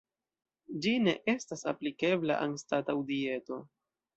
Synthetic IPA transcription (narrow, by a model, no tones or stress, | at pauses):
d͡ʒine̞̰ʔe̞stasa̰plike̞bla̰ʔanstatawdie̞to̞